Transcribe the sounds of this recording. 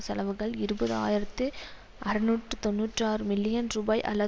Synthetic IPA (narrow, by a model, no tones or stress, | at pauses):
sɐlɐʋɯɣɐɭɪɾɯbɐðɯa̰ːjɪɾɐt̪ːɯ | ʔɐɾɐnuːʈrɯt̪ɔnːuːʈraːɾɯmɪlːɪjɐnɾuːbɐːjʔɐ̰lːɐ